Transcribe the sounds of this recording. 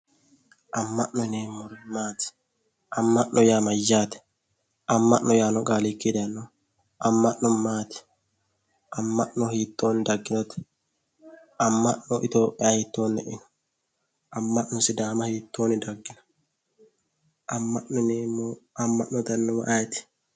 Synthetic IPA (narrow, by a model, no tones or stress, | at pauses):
ʔɐmːɐʔnːɔneːmːɔɾmaːt̪ɪ̥ | ʔɐmːɐʔʔɔjaːmɐjːaːt̪ɛ̥ | ʔɐmːɐʔnɔjaːnɔkʼaːlikːid̪ɐnːɔ | ʔɐmːɐʔːɔmaːt̪ɛ̥ | ʔɐmːɐʔnːɔhiːt̪ːoːnd̪ɐɡːɪnɔt̪ɛ̥ | ɐmːɐʔnɔʔɪ̰t̪oːpʼːɪjaːhit̪ːoːnːɛ̰ʔɪnɐ̥ | ʔɐmːɐʔnːɔsɪd̪aːmɐhiːt̪ːoːnɪd̪ɐɡːɪnɐ̥ | ʔɐmːɐʔnɔneːmɐmːɐʔnːɔt̪ɐnːɔwɐ̰ʔat̪ɪ̥